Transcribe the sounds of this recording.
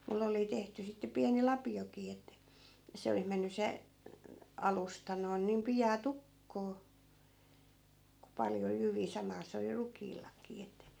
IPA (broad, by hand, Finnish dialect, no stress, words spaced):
mulːe oli tehty sitːe piæni lɑpiokiː etːæ se olih menːy se ɑlustɑ noin niːm pijɑː tukːoː ku pɑljo jyʋiː sɑmɑː se oli rukˑiːlːɑkiː etːæ̆